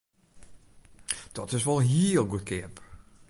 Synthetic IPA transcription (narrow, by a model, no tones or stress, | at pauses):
d̥ɔtɪsʋɔlˠɦiəlˠɡutkʰɪəp